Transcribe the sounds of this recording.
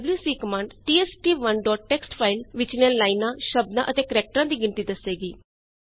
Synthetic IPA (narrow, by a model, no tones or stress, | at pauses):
bljuːsiːkəmãːɳɖʈiːɛːsʈiːʋənɖɔːʈːɛːksʈpʰaːɪlʋɪt͡ʃnẽːlaːinãːʃəb̚d̪ãːʔət̪eːkəɾɛːk̚ʈɾãːd̪iːɡɪnt̪iːd̪əsːeːɡiː